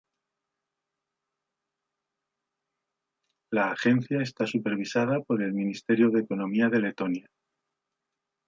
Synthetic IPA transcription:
laːxe̞n̟θjae̞st̪asupe̞ɾβ̞isað̞apo̞ɾe̞lmĩnist̪e̞ɾjo̞ðeko̞nõ̞miaðe̞le̞t̪o̞nja

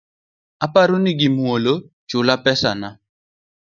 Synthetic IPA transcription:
apaɾʊnɪɡɪmwolo | t͡ʃʊlapɛsa̰na

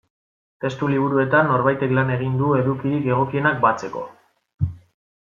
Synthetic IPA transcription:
t̪e̞st̪uliβ̞uɾue̞t̪anːo̞ɾβajt̪e̞klane̞ɣ̞ind̪ue̞ðukiɾike̞ɣ̞o̞kie̞nak̚bat͡se̞ko̞̰

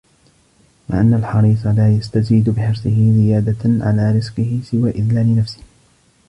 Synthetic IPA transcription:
ma̰ʕʔanːalħɑɾiːsˤɑlaːjast̪aziːd̪bɪħɪɾsˤɨɦɪzɪjaːd̪aʕa̰laːɾɪzqɪhɪsɪwaːʔɪðlaːnɪnafsɪ̥h

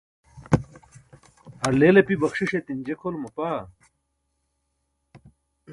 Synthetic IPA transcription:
hɐɾleːlepibɐxʂiʂet̪ind͡ʑekʰolmupaː

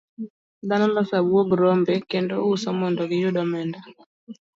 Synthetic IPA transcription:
d̪anɔlɔsabwoɡɾɔmbekendousɔmɔndɔɡɪjʊdɔmɛnda

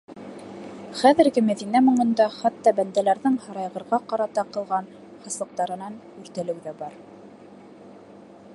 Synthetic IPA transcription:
χæðɘ̆ɾɡɘmæðinæmŏɴɤ̆nd̪ɑχɑt̪ːɑbænd̪ælæɾðɘŋhɑɾɑjʁɤ̆ɾʁɑqɑɾɑt̪ɑqɤ̆lˠʁɑn | hɑ̆slˠɤ̆q̚t̪ɑɾɤ̆nɑn | ʉɾt̪ælɘ̆wðæbɑɾ

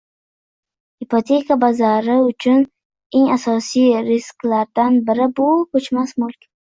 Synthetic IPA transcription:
ipʰot̪ʰe̞kʰabazaɾɪʊt͡ʃʰʊn | e̞ŋasɒsijɾɪsklaɾd̪anbɪɾɪbʊkʰɵt͡ʃmasmʊlˠkʲ

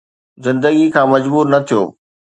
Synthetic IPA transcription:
zɪ̃nd̪əɡikʰãːmɐd͡ʑbuːɾnɐt̪ʰijo̰ː

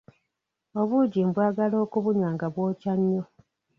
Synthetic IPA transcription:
o̞βuɟimbwaːɡalo̞ːkuβuɲwaːŋɡaβwo̞ːcaɲːo

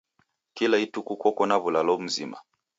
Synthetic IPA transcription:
kilaitukukɔkɔnaβulalɔm̩zḭma̰

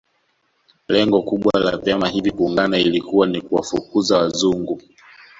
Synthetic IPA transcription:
lɛŋɡɔkuɓwalavjamahivikuːŋɡanailikuwanikuwafukuzawazuŋɡu

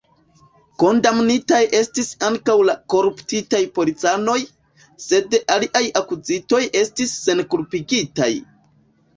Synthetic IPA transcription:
ko̞ndamnitajʔe̞stisaŋkawlako̞ɾuptitajpo̞lit͡sano̞j | se̞daliʔajakuzito̞jʔe̞stisːe̞nkulpiɡita̰j

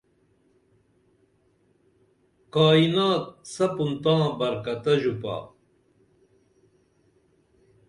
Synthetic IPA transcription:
kaːinaːt̪̚sɐpunt̪ãːbɐɾkɐt̪ɐʑupa̰ː

